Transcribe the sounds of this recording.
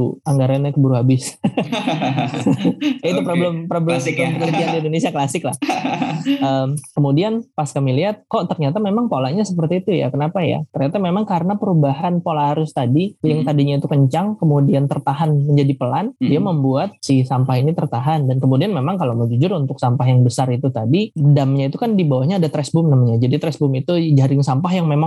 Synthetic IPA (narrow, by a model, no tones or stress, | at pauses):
uaŋɡaɾanɲakəbuɾuɦabɪs | jait̪upɾobləmpɾoblɛmkɛmpənərd͡ʒ̪iandindonesiaklasɪkla̰h | əːmkəmudianpaskamiliɦat̪̚koʔt̪ərɲat̪amemaŋpolaʔɲasəpərt̪iːt̪uja̰kənapaja̰t̪ərɲat̪amemaŋkaɾənapəɾubaɦanpolahaɾʊst̪adijaŋt̪adiɲait̪ukəɲt͡ʃaŋkəmudiant̪ərt̪aɦanməɲd͡ʒadipəlandiaməmbuat̪̚sisampaɦinit̪ərt̪aɦandankəmudianmemaŋkaloməd͡ʒud͡ʒʊɾunt̪ʊk̚sampaɦjaŋbəsarit̪ut̪adidamɲait̪ukandibawahɲaːdat̪ɾɛsbʊmnamaɲad͡ʒadit̪ɾɛsbʊmit̪ud͡ʒaɾɪŋsampaɦjaŋmemaŋ